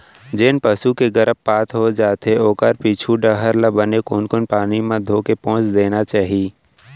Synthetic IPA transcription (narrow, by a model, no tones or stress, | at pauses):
d͡ʒɪnpəsukeɡəɾəpːaːt̪ʰɦod͡ʒaːt̪eoːkəɾpiːt͡ʃʰuɖəɦəɾləbənekoːnkonpaːnimãd̪ʱoːkepɔ̃ːt͡ʃd̪eːnat͡ʃaːɦii